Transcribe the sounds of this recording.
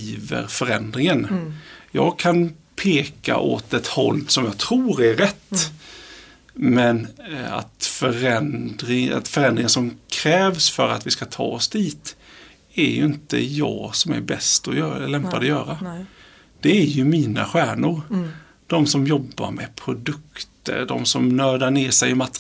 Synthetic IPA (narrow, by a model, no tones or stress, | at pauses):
iːvə̰ɾfœɾɛnd̪ɾɪŋənjɑ̰ːɡ̚kʰan | pʰeːka̰ʔoːt̪ɛt̪hɔ̰ld̪sɔmjɑːɡt̪ʰɾuːɾæːɛt̪ː | mɛna̰t̪fœɾɛnd̪ɾɪa̰t̪fœɾɛnd̪ɾɪŋənsɔmkʰɾɛːvsfœɾat̪vɪskat̪ʰɑ̰ːɔsd̪iːt̪ | æɾjɵɪnt̪ə̰jɑːɡsɔmæ̰ɾbɛst̪ɔjlɛmpad̪əjœːɾa | d̪̥ɛæɾjɵmiːna̰ɧæːɳʊɾ | d̪̥ɔmsɔmjɔbːa̰ɾmɛpʰɾʊd̪ɵkt̪ə̰ɾd̪ɔ̰msɔmnœːɖaɳeːsɛjmat̪ː